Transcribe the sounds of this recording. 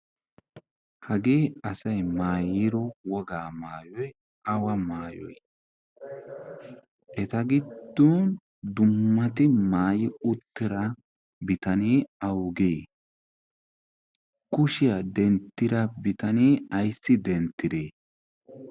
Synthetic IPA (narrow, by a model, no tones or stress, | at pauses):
hɐɡeːɐsɐjmaːjɪɾɔwɔɡaːmaːjɔj | ɐwɐmaːjɔ̰j | ʔɛt̪ɐɡɪd̪ːoːn | d̪ʊmːɐt̪ɪmaːjɪʊt̪ːɪɾɐ | bɪt̪ɐniːɐwɡeː | kʊʃɪjɐd̪ɛnt̪ːɪɾɐbɪt̪ɐniːɐjsːɪd̪ɛnt̪ːɪd̪eː